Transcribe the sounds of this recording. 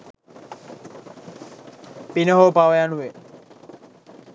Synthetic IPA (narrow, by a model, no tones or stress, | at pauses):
pinəɦoːpaʋəjanuʋe